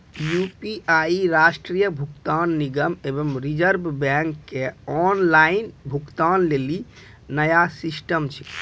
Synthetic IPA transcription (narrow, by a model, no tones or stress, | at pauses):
jupiaiɾasʈɾijəbʱukt̪anːiɡəmebəmɾid͡ʒəɾbʱbɛŋkːeɔnlainbʱukt̪anleli | nəjasisʈəmt͡ʃʰi̥